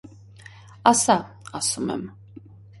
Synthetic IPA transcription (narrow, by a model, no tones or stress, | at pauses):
asa | asumɛ̰m